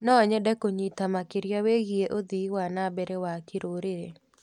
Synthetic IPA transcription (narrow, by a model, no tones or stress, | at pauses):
nɔɲɛdɛkoɲit̪amakɪɾjaweɣieʔod̪iwanabeɾewakɪɾoɾeɾe